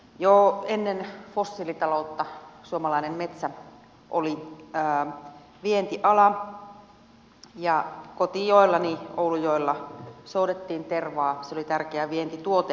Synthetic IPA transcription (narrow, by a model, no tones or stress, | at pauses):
joːenːenfosːilit̪ɑloˑut̪ːɑsuomɑlɑinemmet̪sæ | ʔo̰liəː | ʋient̪iʔɑlɑ | jɑkot̪ijoilːɑnioulujoelːɑsoudet̪ːiːnt̪erʋɑːseolit̪ærkeæʋient̪it̪uot̪e